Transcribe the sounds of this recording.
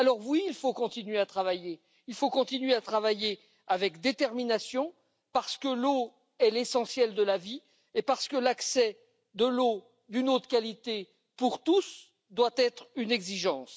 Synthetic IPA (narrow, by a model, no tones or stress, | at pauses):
alɔʁwiːlfokɔ̃t̪inɥeat̪χavaje | ilfokɔ̃t̪inɥeat̪χavaje | avɛkd̪et̪ɛʁminasjɔ̃ | paʁsə̥kəlo | ɛlesɑ̃sjɛld̪əlavi | epaʁsə̥kəlaksɛ | d̪əlo | d̪ynot̪χə̥kʲalit̪e | puʁt̪us | d̪wat̪ɛt̪χynɛɡziʒɑ̃s